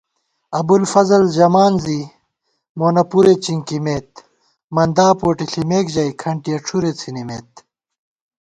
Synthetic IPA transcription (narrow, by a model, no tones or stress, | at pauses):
ɐbulfɐzɐld͡ʑɐmaːnzi | moːnɐpuɾet͡ɕiŋkimeːt̪ | mɐnd̪aːpoːʈiɬimeːkʑɐikʰɐɳʈiɐʈ͡ʂʰuɾet͡sʰinimeːt̪̚